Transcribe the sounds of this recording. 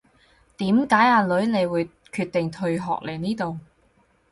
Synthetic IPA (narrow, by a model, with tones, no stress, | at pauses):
t̪iː˨˥mkaː˨˥jaː˧lɵ˨˥ɥne˨˧jwuː˨˧j | kʰyː˧t̪̚ːɪ˨ŋt̪ʰɵ˧ɥɦɔ̰ː˨k̚le˨˩jniː˥t̪o˨w